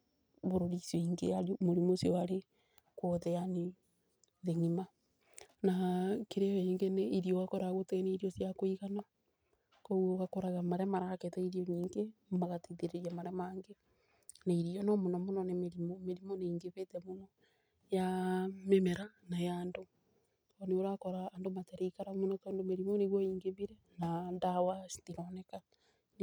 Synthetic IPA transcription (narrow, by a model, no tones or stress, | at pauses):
βoɾoɾisjoiŋɡeaɾmoɾimosiɔaɾe | koðɛjane | ðeŋima | nakeɾeweŋɡeneiɾijoɣakoɾaɣoteneiɾiosjakoiɣana | kowoɣakoɾaɣamaɾɛmaɾaketɛiɾioɲiːŋɡemaɣatiðeɾeɾjamaɾɛmaːŋɡe | naiɾiɔnɔmonɔmonɔnemeɾimɔmeɾimɔneiŋɡeβetɛmonɔ | jamemeɾanajando | oneoɾakɔɾaːndomatɛɾeikaɾamonɔtandomeɾimɔneɣwɔiːŋɡeβiɾɛ | nandawastiɾɔnɛka